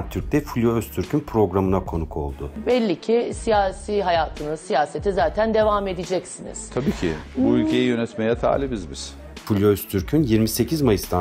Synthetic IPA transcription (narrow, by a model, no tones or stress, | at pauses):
t̪ʰyɾc̚t̪ɛfulʲjoøst̪ʰyɾcʰynpʰɾo̞ɡɾamɯnakʰo̞nukʰo̞̰lˠd̪ʊbɛlʲːicʰisijaːsiːɦajaːt̪ʰɯnɯnsijaːse̞t̪ʰizaːt̪ʰænd̪e̞vaːme̞d̪id͡ʒɛcsinḭz̥t̪ʰabiːcʰɪ̰buylʲcʰejijø̞nɛt̪mejɛt̪ʰa̰ːlʲibizbiz̥ | fulʲjoøst̪ʰyɾcʰynjiɾmise̞cʰizmajɯst̪a